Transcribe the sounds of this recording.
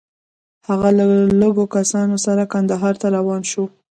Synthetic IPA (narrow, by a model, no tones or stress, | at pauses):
haɣalaləɡokasɑnosaɾakand̪aɦɑɾt̪aɾawɑnʃo